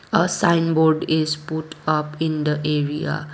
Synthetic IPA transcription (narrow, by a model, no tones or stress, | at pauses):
əsãɪnboɾɖizpuʈʌpĩnd̪əʔeɾia̰